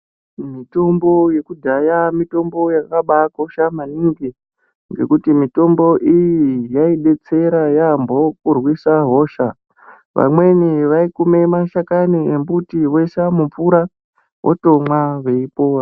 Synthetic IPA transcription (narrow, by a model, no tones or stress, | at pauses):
mito̞mbo̞je̞kudʱajamito̞mbo̞jakaɓakoʃamaniŋɡi | ŋɡe̞̰kutimito̞mbo̞ʔijijaiɗe̞t͡se̞ɾajambo̞kurwisaɦo̞ːʃa | ʋa̰mwe̞niʋaikume̞maʃakaniembutiwo̞iʃamup͡fuɾa | wʔo̰to̞mwaʋe̞ipoːra